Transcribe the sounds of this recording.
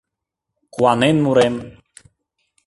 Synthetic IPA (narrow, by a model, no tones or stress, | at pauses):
kwanenmuɾem